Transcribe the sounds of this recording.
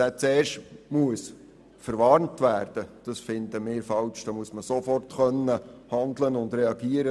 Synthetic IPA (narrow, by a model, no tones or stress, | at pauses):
æt͡seːrʃtmuəs | fəɾʋɑːɾntʋæːrd̥əd̥ɑsfɪnd̪əmɪːɾfɑlt͡ʃd̥ɑmuəsməsofɔrtχœnːəhɑndlənʊnd̪ɾɛɑɡiːəɾə